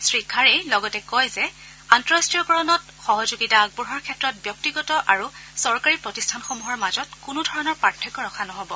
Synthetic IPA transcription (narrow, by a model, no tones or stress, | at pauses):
sɹikʰːaɹejlɔɡɔtɛkɔjzɛ | antɔɹastɹijɔkɔɹɔnɔt | xɔɦɔzuɡitaːɡ̚buɦɔɹkʰɛtɹɔt̚bjɔk̚tiɡɔtɔʔaɹusɔɹkaɹipɹɔtistʰanxɔmuɦɔɹmazɔtkʊnʊdʱɔɹɔnɔɹpaɹtʰːɔkɔɹɔxʰanɔɦɔbɔ